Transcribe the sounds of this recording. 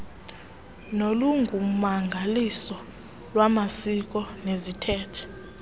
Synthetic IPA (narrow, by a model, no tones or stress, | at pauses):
noluŋɡʱumaŋɡʱalisɔ | lwamasik̬ʼɔnezitʰɛːtʰɛ̥